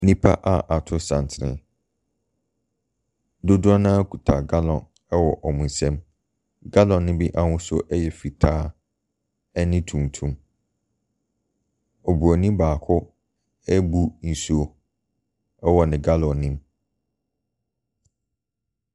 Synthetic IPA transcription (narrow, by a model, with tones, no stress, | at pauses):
nĩ˦pʰa˦ʔa˦ʔa˨tʰʊ˦sã˨n˨tʰɪ˨ɾɪ̰̃˨ | dʊ˦dʊ˦ɔ˦nã˦kʰu˨tʰa˨ɡa˦lɔ̃˨n | ɛ˦wɔ˨ʔɔ˨mũ˨n˨sɛ̃˦m | ɡa˦lɔ̃˨nːɪ̃˦bi˦ʔa˦hʊ̃˦sʊ˦ʔɛ˦jɛ˨fi˨tʰaː˦ | ɛ˦nɪ̃˦tʰũ˨m˨tʰũ˦m | o˨bu˨a˨nĩ˦baː˨kʰʊ˦ | æ˦bu˦n̩˨su˦o˦ | ɛ˦wɔ˨nɪ̃˨ɡa˦lɔ̃˨nɪ̃˦m